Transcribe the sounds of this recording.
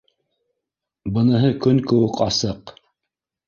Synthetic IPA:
bɤ̆nɤ̆ɦɤkɵnkɵ̆wɘkɑsɤq

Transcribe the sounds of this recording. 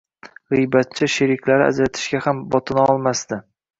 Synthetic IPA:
ʁɨjbat̪̚t͡ʃʰɪʃeɾɪkʲʰlaɾɪ̰a̰d͡ʒɾat̪ʰɪ̥ʃɡʲahambɒt̪ʰɪnɒlˠmast̪ɪ

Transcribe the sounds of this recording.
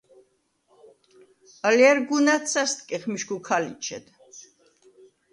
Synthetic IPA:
əljɛɾɡunat̪sʰast̪̚kʼɛχmiʃɡukʰalḭt͡ʃʰɛ̰d̪̥

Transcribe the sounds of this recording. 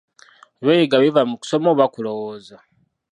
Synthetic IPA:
βwejiɡaβivamuku̥somoβakulowoza

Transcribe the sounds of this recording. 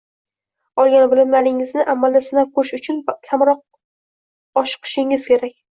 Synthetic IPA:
ɒlˠɡʲanbɪlɪmalɪŋɪznɪʔamːald̪asɪnap̚kʰɵɾɪʃʊt͡ʃʰʊnkʲʰamɾɒq̚ | ɒʃɨ̥qʰɨ̥ʃɪŋɪz̥kʲʰe̞ɾakʲ

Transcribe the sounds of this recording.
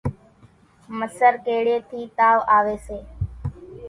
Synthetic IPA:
məsəɾkeːɽeːt̪ʰiːt̪aːʋaːʋeːseː

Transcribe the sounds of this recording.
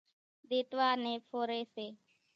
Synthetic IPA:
d̪eːt̪ʋaːneːpʰoːɾeːseː

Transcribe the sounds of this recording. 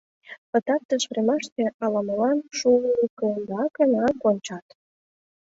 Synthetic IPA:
pə̆t̪ɑt̪ːəʃvɾemɑʃt̪eʔɑlɑməlɑnʃulikənd̪ɑkənɑkonʲt͡ɕɑt̪

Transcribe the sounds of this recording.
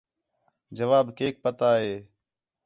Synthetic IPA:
d͡ʒəʋaːbkeːk̚pət̪aːɦeː

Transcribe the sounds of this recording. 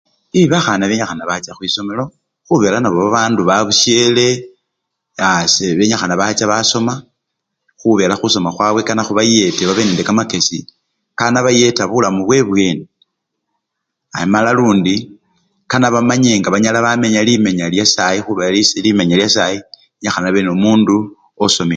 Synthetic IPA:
iβaxanaβeɲaxanaβat͡ʃaxwiso̞melo̞ | xuβe̞ːlanaβoβaβaːnduβaβuʃje̞le̞ | aseβe̞ɲaxanaβat͡ʃaβaso̞ma | xuβe̞laxuso̞maxwaβwe̞kanaxuβaje̞teβaβenendekamake̞si | kanaβaje̞taβulamuβwe̞βwe̞ːni | a̰jimalaluːndi | kanaβamaɲe̞ːŋɡaβaɲalaβame̞ɲalime̞ɲaljasajixuβealislimeɲaljasaji | eɲaxanaβenomuːndu | oso̞mi

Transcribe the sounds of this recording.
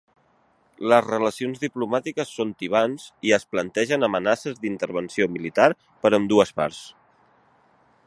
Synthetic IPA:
ləzrələsionzðiplumat̪ikəsːont̪iβ̞anziəsplənt̪ɛʒənəmənasəzðint̪əɾβ̞ənsiomilit̪aɾ | pəɾəmd̪uəspa̰ɾs

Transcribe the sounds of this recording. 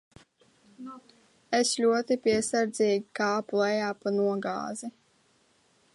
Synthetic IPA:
eslʲuɔt̪ipʲiɛsaɾd̪zʲiːɡikaːplɛjaːpanuɔɡa̰ːzi

